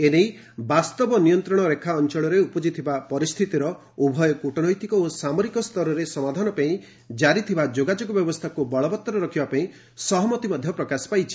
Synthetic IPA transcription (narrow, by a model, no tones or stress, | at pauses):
enej | bast̪ɔbɔnijɔnt̪ɾɔɽ̃ɔɾekʰaɔnt͡ʃɔɭɔɾeupɔd͡ʒit̪ʰibapɔɾist̪ʰit̪iɾɔ | ubʱɔjɔkuʈɔnɔjt̪ikɔosamɔɾikɔst̪ʰɔɾɔɾesɔmad̪ʱanɔpaĩ | d͡ʒaɾit̪ʰibad͡ʒoɡad͡ʒoɡɔbjɔbɔst̪ʰakubɔɭɔbɔt̪ːɔɾɔɾɔkʰibapaĩ | sɔɦɔmɔt̪imɔd̪ʱjɔpɾɔkasɔ̥pajt͡ʃʰi̥